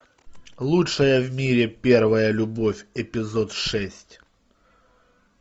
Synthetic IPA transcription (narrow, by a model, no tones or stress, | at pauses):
lˠutʂəjəvmʲiɾʲɪpʲe̞rvəjəlʲʊbofʲɪpʲɪzo̞t̪ʂɛsʲtʲ